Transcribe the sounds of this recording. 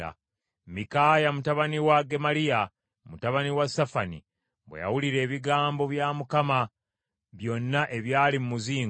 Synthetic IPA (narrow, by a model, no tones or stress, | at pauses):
a̰ | mikaːjamutaβaniwaɡe̞malija | mutaβaniwasafanḭ | βwḛja̰wuliɾe̞ːβiɡaːmbo̞βjamukama | βjo̞nːaʔe̞βjaːlimumuziːŋ